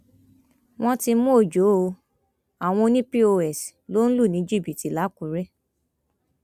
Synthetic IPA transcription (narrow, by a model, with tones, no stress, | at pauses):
w̃ɔ̃˦ti˧mũ˦o˦˨d͡ʒo˨˦o˧ | a˨w̃ɔ̃˧nĩ˦pi˦o˧ɛ˨si˨lo˦n̩˦lu˦˨nĩ˨˦d͡ʒi˦˨bi˨ti˨la˨˦kũ˨ɾɛ˦